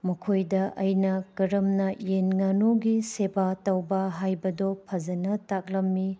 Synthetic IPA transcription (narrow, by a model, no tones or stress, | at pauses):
mɐkʰojdɐʔɐjnɐkɐɾɐmnɐjenŋanoɡisebatɐwbɐɦajbɐdopʰɐzɐnɐtak̚lɐmːi